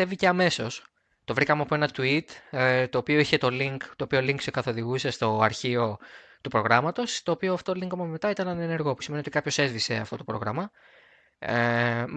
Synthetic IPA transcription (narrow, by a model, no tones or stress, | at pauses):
e̞vice̞ɐme̞so̞s | t̪o̞vɾikɐmɐpoe̞nɐt̪uit̪t̪o̞ːpio̞içe̞t̪o̞liŋkt̪o̞ːpio̞liŋksekɐθo̞ðiɣuse̞st̪o̞ɐɾçio̞ | t̪upɾo̞ɣɾɐmɐt̪o̞st̪o̞ːpio̞ɐft̪o̞liŋkomɐzme̞t̪ɐit̪ɐnɐnene̞ɾɣo̞pu̥simeniot̪ikɐpço̞se̞zvise̞ɐ̰ft̪o̞t̪o̞pɾo̞ɣɾɐmɐ